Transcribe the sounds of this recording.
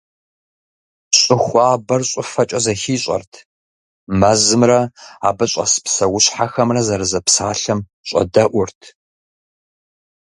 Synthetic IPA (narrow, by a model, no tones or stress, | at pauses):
ɕʼɪxʷaːbɐrɕʼʊfɐt͡ʃʼɐzɐxiːɕʼɐ̰rtʰ | mɐzɨmrɐa̰ːbɐɕʼɐ̰sɨ̥psɐwʊɕħaxɐmrɐzɐɾɨzɐpsaːɬɐm | ɕʼɐ̰dɐʔʷʊrtʰ